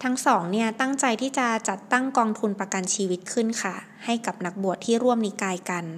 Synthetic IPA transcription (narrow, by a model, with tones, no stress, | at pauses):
t̪ʰa˦˥ŋsɔː˩˦ŋni˥˩ɐt̪a˥˩ŋt͡ɕa˧jt̪ʰiː˥˩t͡ɕa˨˩t͡ɕa˨˩t̪ːa˥˩ŋkɔː˧ŋt̪ʰu˧npɾa˧ka˧nt͡ɕʰiː˧wi˦˥t̪̚kʰɯ˥˩nkʰa˥˩ | ha˥˩jka˨˩p̚na˨˩˦k̚bu˨˩ət̪ʰːiː˥˩ɾu˥˩əmniː˧˥kaː˧jka˧n